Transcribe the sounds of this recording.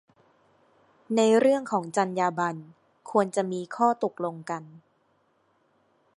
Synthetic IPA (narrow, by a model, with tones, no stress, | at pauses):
na˧jɾɯ˥˩əŋkʰɔː˩˦ŋt͡ɕa˧njaː˧ba˧n | kʰu˧ənt͡ɕa˨˩ʔmiː˧kʰɔː˥˩t̪o˨˩k̚lo˧ŋka˧n